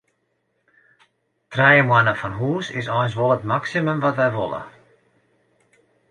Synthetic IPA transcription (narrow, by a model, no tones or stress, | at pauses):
trɛjəmwanəfɔnɦuːsɪsɔjnsʋɔlˠətmaksiməmvɔtvɛjvɔ̰lˠə̰